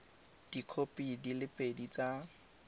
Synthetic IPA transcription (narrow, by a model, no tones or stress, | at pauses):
d̥ikʰopʼidilɪpʼedit͡sa